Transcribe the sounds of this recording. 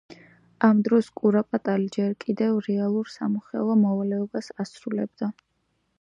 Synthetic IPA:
amd̪ɾɔskʼuɾapʼat̪ʼalid͡ʒɛɾkʼid̪ɛvɾɛalˠuɾsa̰muχɛ̰lˠɔmɔvalɛɔbasasɾulɛ̰bd̪a

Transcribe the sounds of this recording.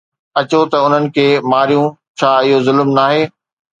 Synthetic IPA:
ɐt͡ɕot̪ɐʊn̤ənɪ̆kʰeːmaːɾijũt͡ɕʰaːɪɦozʊlmnaːɦeː

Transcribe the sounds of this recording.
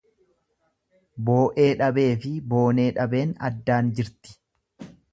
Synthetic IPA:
bo̞ːʔe̞ːᶑɐbe̞ːfɪbo̞ːne̞ːᶑɐbe̞ːnɐ̰d̪ːaːnd͡ʒɪɾt̪ɪ̥

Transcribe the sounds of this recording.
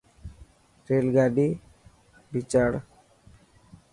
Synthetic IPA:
ɾelɡaɖi | bit͡ʃaɽ

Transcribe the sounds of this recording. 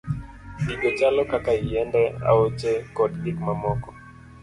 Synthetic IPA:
ɗiɡɔt͡ʃalɔkakaijɛndɛa̰ot͡ʃɛkɔdɗikmamɔkɔ̥

